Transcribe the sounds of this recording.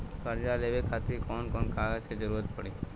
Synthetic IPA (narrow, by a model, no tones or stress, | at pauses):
kəɾd͡ʒaleʋekʰat̪ikɔnkɔnkaʋət͡ʃʰed͡ʒəɾuɾət̪̚pəɽi